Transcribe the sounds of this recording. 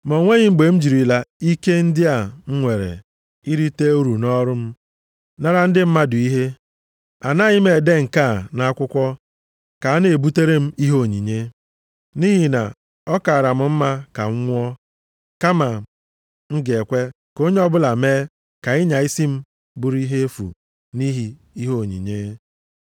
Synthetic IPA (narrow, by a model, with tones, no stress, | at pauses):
mo˨ŋʷe˦ɲɪ˦ŋ͡m̩˦ɡ͡be˨m̩˦d͡ʒi˨ɾi˨la˨i˦ke˦n̩˦dɪ˦a˨ŋ̩˦ŋʷe˨ɾḛ˨ | i˦ɾi˦te˦u˦ɾu˨nɔ˦ɾʊ˦m̩˦ | na˦ɾa˦n̩˦dɪ˦m̩˦ma˦dʊ˨i˦ɦe˦ | a˨na˦ɲɪ˦me˨de˦ŋ̩˨ka˦˨na˦a˦kʷʊ˦kʷɔ˦ | ka˨a˦ne˨bu˦te˦ɾe˦m̩˦i˦ɦo˦˨ɲḭ˨ɲe˦ | ni˦ɦi˨na̰˨ | ɔ˦ka˨a˨ɾa˨m̩˦m̩˦ma˦ka̰˨ŋ̩ʷ˦ɔ˦ | ka˦ma˨ | ŋ̩˦ɡe˨kʷe˦ | ko˦ɲe˦ɔ˦bʊ˦la˨meː˦ | ka˨i˦ɲa˨i˦si˦m̩˦ | bu˦ɾi˦ɦe˦fṵ˨ | ni˦ɦi˦ | i˦ɦo˦˨ɲḭ˨ɲe˦